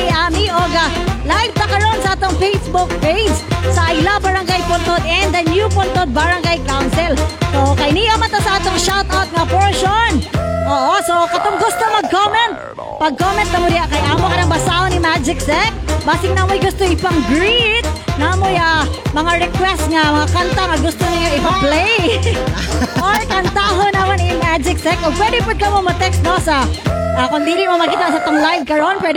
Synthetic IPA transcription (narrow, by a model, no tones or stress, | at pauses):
ʔaːmiʔoɡɐ | lahɪɡ̚t̪ɐkɐɾonsɐʔaːt̪oŋfejsbʊk̚pejd͡ʒsɐʔɐjlabɐɾɐŋɡajpont̪od̪ɛnd̪ɐnjupont̪od̪̚bɐɾɐŋɡajkawnsɛlsokɐjniʔomɐnt̪ːɐsɐʔaːt̪oŋʃawt̪awt̪̚ŋɐpɛɹʃonʔoːʔosokɐt̪oŋɡʊst̪oŋmɐɡ̚komɛnt̪̚ | pɐɡ̚komɛnt̪ːɐmod̪ɪjaʔkɐjʔaːmokɐɾɐmbɐsaʔonimad͡ʒɪksɛkbaːsɪŋnamojɡʊst̪oʔɪpaŋɡɾit̪̚namojamɐŋaɾɛkwɛst̪ŋɐmɐŋakant̪aŋɐɡʊst̪onɪɲoɪpɐplɛj | ʔoɹkɐnt̪aɦonamanɪmad͡ʒɪk̚sɛkʔoɡ̚pwɛd̪ɪpʊd̪̚kɐmomɐt̪ɛkst̪̚nosaakond̪ilɪmomɐkiːt̪aʔsat̪oŋlajv̚kɐɹonpwɛd̪